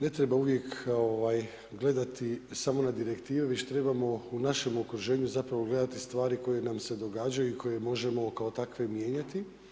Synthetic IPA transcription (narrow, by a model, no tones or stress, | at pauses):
ne̞t̪ɾe̞bauʋje̞koʋaːj | ɡle̞d̪at̪isamo̞nad̪iɾe̞kt̪iːʋeʋe̞t͡ɕt̪ɾe̞bamo̞unaʃe̞mokɾuʒe̞ːɲuzapɾaʋo̞ɡle̞d̪at̪ist̪ʋaːɾiko̞je̞namse̞d̪o̞ɡaːd͡ʑajuikʰo̞je̞mo̞ʒe̞mo̞kao̞t̪akʋe̞mje̞ːɲat̪i